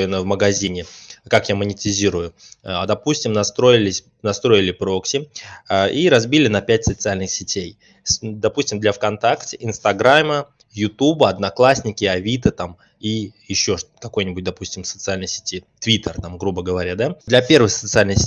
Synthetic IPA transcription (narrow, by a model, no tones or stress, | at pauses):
jɪnəvməɡɐzʲinʲɪkakjamənʲɪtʲɪzʲiɾʊjʊɐd̪ɐpusʲtʲɪmnɐst̪ɾo̞ɪlʲɪsʲ | nɐst̪ɾo̞ɪlʲɪpɾo̞ksʲɪəʔiɾɐzbʲilʲɪnɐpʲætʲsət̪sɨalʲnɨxsʲɪtʲej | sd̪ɐpusʲtʲɪmd̪lʲafkɐnt̪aktʲɪʔɪnst̪ɐɡɾamə | jʊt̪ubəɐd̪nɐklˠasʲnʲɪkʲɪɐvʲit̪ət̪am | ijɪɕːo̞ʂkɐko̞jnʲɪbʊt̚ʲd̪ɐpusʲtʲɪmsət̪sɨalʲnəjsʲɪ̥tʲit̪vʲit̪ərt̪amɡɾubəɡəvɐɾʲad̪ad̪lʲɐpʲe̞rvɨxsət̪sɨalʲnɨsʲɪ